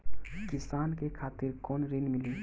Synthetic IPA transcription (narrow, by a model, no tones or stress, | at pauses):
kɪsaːnkekʰaːt̪ɪɾkɔːnɾinmɪli